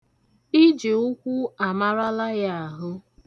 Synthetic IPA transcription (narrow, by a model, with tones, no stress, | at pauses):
i˦d͡ʒɪ˨ʊ˦kʷu˦a˨ma˦ɾa˦la˦ja˦a˨ɦʊ˦